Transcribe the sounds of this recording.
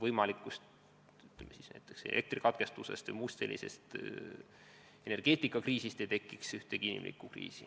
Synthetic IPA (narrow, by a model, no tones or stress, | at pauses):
vɤjmɑlikːˑust̪ | yt̪lemːesisnæ̰jt̪ːˑeksḛlʔek̚t̪rikɑt̪ke̞st̪use̞̰st̪vɨ̰jmust̪e̞lʔḭse̞̰st̪ | e̞ne̞rɡ̥e̞ːt̪ːˑikːˑɑkriːsist̪ejt̪e̞kːˑiksyht̪e̞kinʲḭmlʔḭkːˑukrḭːsi